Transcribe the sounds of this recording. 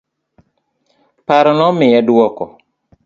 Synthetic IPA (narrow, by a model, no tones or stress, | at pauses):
paɾɔnɔmɪjɛdwɔkɔ